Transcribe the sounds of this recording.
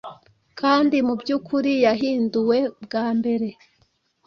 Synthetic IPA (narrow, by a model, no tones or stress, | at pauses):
kaːndimubɟuːkʰuɾijaɦiːnduwe̞bɡaːmbe̞ɾe̞